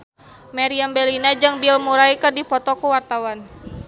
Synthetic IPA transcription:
maɾiambɛlinad͡ʒɨŋbilmuɾaikərdipɔt̪ɔkuwart̪awan

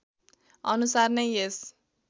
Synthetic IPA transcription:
ʌnusarnʌjes

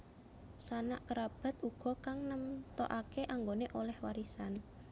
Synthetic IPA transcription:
sana̰ʔkəɾab̥a̤t̪̚uɡ̥ɔ̤kaŋnəmt̪o̰ʔakeʔaŋɡoneʔolɛhwaɾisan

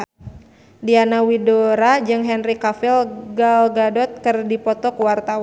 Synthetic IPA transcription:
dianawidoɾad͡ʒɨŋɦɛnrikafilɡalɡadɔt̪̚kərdipɔt̪ɔkwart̪awa

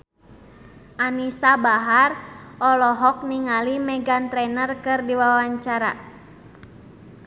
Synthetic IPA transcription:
ʔanisabaɦarʔɔlɔɦɔk̚niŋalimɛɡant̪ɾɛnərkɨrdiwawaɲt͡ʃaɾa̰

